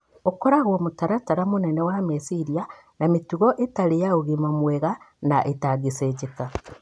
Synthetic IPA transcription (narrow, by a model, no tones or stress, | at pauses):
okoɾaɣomutaɾataɾamunenewamesiɾia | namituɣoʔetalejaoɣimamweɣanaʔetaɡiseɟeka